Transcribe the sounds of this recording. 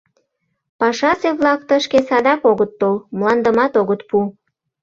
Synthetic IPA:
pɑʃɑseβlɑk̚t̪əʃkesɑd̪ɑkoɣət̪ːolmlɑnd̪əmɑt̪oɣət̪̚pu

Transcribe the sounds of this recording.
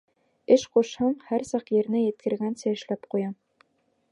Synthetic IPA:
ɘʃquʃhɑɴhæɾsɑqjɘ̆ɾnɘjɘ̆t̪̚kɘ̆ɾɡænsæɘ̆ʃlæpqujɑ

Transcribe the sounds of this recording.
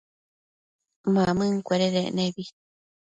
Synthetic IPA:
mãmɨ̃ŋkʷeɾeɾeʔnẽβi

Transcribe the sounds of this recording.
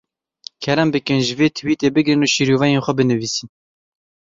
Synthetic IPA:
kʰɛɾɛmbɨkɨnʒɪveːt̪ʰɨwiːt̪eːbɨɡɾɨnuːʃiːɾuːvɛjeːnxʷɛbɨnɨviːsin

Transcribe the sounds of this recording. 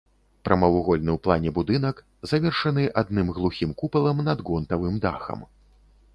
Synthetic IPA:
pɾʔɐmɐwuɣɔlʲnɨwplˠanʲɛbud̪ɨnɐk | zavʲɛrʂɐn̪ɨʔad̪̚nɨmɣlˠuxʲimkupɐlˠɐmnɐd̪ɣɔnt̪ɐvɨmd̪a̰xɐ̰m

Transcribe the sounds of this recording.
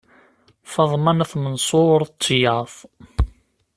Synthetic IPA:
fɑðˤmɑnəθmənsˤoɾˤt͡sːjɑθˤ

